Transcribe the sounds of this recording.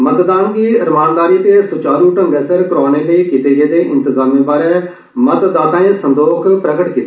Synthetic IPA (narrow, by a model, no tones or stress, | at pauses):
mət̪d̪aːnɡiːɾəmaːnd̪aːɾiːt̪eːsʊt͡ʃaːɾuːʈəŋɡeːsəɾkɾoːneːb̪iːkit̪eːɡeːd̪eːʔɪ̃nt̪əzaːmiːbaːɾeː | mət̪d̪aːt̪aːẽsə̃nd̪oːkʰpɾəkəʈkiːt̪e